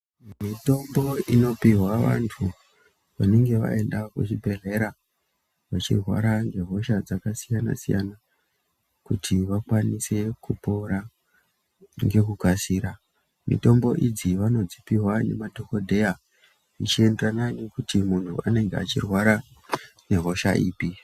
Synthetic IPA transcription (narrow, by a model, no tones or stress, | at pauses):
mito̞mbo̞ino̞piɦwaʋa̰ntʰu | ʋane̞ŋɡe̞ʋa̰e̞ndakṵt͡ʃibʱe̞ɮe̞ɾa | ʋat͡ʃirwa̰ɾaŋɡe̞ɦo̞ʃad͡zakasijana̰sija̰na | kutʰiʋakwanise̞kupo̞ɾa | ŋɡe̞kukasiːɾa | mḭto̞mbo̞ʔid͡ziʋano̞d͡zipiɦwane̞̰madʱo̞kodʱe̞ja | it͡ʃie̞nderananikutimuntʰuane̞ŋɡea̰t͡ʃirwaɾane̞ɦo̞ʃa̰ʔiːpi